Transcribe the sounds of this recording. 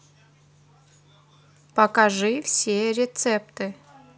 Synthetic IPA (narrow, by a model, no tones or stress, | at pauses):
pəkaʐɨfsʲeɾʲɪt̪sɛp̚t̪ɨ